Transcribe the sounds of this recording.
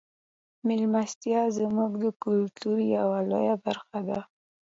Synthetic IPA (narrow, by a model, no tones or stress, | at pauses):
mɪlmast̪jɑzmuɡd̪əkʊlt̪uɾjawalo̰jabaɾxad̪a